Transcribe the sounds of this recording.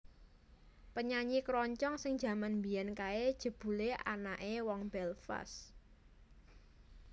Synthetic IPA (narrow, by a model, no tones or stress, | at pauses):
pəɲaɲikɾɔɲt͡ʃɔŋsɪŋ̥d͡ʒ̥a̤manmbijankaed̥ʒ̥ə̤b̥ṳlea̰naʔewɔŋb̥ɛlfa̰s